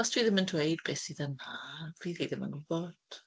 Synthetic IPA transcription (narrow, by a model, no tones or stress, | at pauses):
ɔstʰwiːðɪməntʰwejdbɛːsiðəmḁiːðiðɪmə̰nɡʊbɔd̥